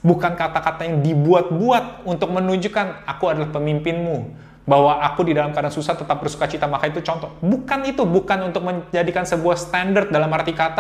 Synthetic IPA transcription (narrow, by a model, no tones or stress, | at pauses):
bukankat̪akat̪ajaŋdibuat̪̚buat̪̚unt̪ʊk̚mənuɲd͡ʒukanakuadalahpəmimpɪnmu | bahwaʔakudidalamkadaŋsusat̪ət̪ap̚bərsu̥kat͡ʃit̪amakait̪ut͡ʃɔnt̪ɔbukanit̪ubukanunt̪ʊk̚məd͡ʒadikansəbuahst̪andərt̪̚dalamart̪ikat̪a